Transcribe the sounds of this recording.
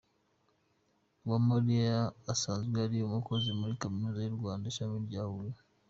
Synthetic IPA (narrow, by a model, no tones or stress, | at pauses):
wamaɾiaːsaːnzɡweaɾijomukozimuɾikaminuzajuɾɡwaːndaʃamiɾɟaːβule